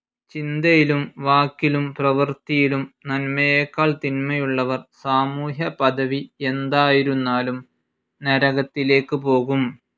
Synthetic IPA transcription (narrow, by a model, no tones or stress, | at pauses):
t͡ɕind̪ɐjilumʋaːkːilumprɐʋɨrt̪ijilumnɐnmɐjeːkːaːɭt̪inmɐjuɭːɐʋɐrsaːmuːɦjɐpɐd̪ɐʋie̞nd̪aːjiɾunːaːlum | nɐɾɐɣɐt̪ːile̞ːkːɨpo̞ːɣum